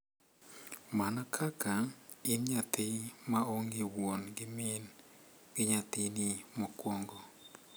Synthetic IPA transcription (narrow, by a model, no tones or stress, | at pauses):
manakʰakʰaɪnɲat̪ɪmaoŋɡɪwonɡɪmɪnɡ̥ɪɲat̪ɪnɪmɔkwoŋɡo